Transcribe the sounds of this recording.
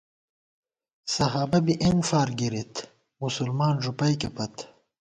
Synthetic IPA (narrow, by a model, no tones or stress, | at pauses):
sɐɦaːbɐbiʔenfaːɾɡiɾit̪ | musulmaːnʐupɐjkepɐt̪